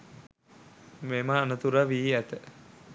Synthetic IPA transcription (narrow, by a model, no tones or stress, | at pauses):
memaːnət̪uɾaʋiːæt̪ə